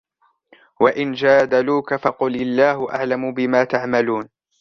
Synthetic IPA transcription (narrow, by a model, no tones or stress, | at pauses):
waʔɪnd͡ʒaːd̪aluːkafɑqʊlɪlːaːhʊʔa̰ʕlamʊbɪmaːt̪aʕmaluːn